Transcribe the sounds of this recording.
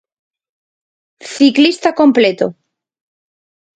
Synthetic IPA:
θiklist̪ako̞mplet̪o

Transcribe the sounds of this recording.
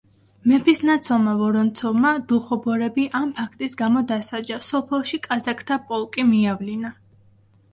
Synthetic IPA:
mɛpʰisnat̪sʰɔlˠmavɔɾɔnt̪sʰɔvmad̪̥uχɔbɔɾɛbiʔampʰakʰt̪ʼisɡamɔd̪asad͡ʒasɔpʰɛlˠʃikʼazakʰt̪ʰapʼɔlˠkʼimiavlina

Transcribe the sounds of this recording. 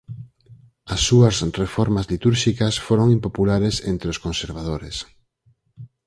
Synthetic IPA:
ɐsːuɐsrefoɾmazlit̪uɾʃikasfoɾoŋimpopulaɾesḛnt̪ɾeoskonseɾβ̞aðoɾes

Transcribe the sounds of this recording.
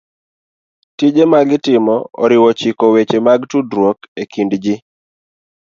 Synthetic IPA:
tid͡ʒemaɡɪtɪmɔɔ̰ɾɪwɔt͡ʃikɔwet͡ʃemaɡtudɾwokekindd͡ʒi

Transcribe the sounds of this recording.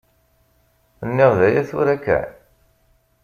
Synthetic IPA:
ənːɪʁðæjæθʊ̰ɾækːæ̰ʕ

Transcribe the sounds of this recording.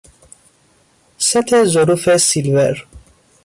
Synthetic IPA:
sɛt̪ʰezoɾufesilvɛɾ

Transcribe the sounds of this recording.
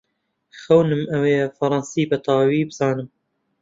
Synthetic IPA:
xɐwnɨmʔɐweːfɐɾˤɑnsiːbɐt̪ʰɑːwiːbɨzɑːnɨm

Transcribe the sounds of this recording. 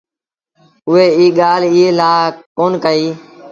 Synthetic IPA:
ʊʋeːiːɠaːliːeːlaːkoːnkəiː

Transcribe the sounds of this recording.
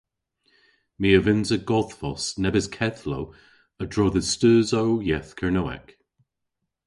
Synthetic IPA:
miəvɪnzəɡ̥ɔðfɔsnɛbɪskʰɛðlow | ədɹɔːðəstøːzowjɛθkʰəɹnowɛ̰k

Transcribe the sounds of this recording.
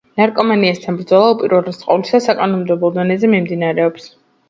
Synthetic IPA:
naɾkʼɔmaniast̪ʰanbɾd̪zɔlˠaupʼiɾɔɾɛsʼqʼɔ̰vlisasakʼanɔmd̪ɛblˠɔd̪ɔnɛzɛmimd̪inaɾɛɔps

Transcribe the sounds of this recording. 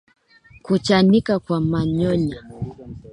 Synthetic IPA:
kut͡ʃanikakwamaɲɔɲa

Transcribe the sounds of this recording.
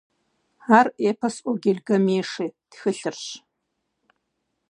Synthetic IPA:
aːreːpʰɐsʼʷɔɡʲɪɮɡɐmeːʂiːtxɨɬɨrɕ

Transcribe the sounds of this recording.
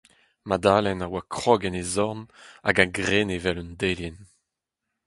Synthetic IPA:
mad̪aːlɛnawakχɔːɡɛnezɔʁna̰ɡaɡʁeːnevɛlundeljɛn

